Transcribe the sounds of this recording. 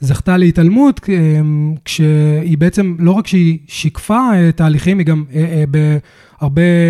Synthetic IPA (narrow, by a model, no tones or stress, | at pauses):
zaχtaleitalmutemkʃeibeet͡se̞mlo̞ʁakʃeiʃikfaetaːliχimiɡamebe | aʁbe̞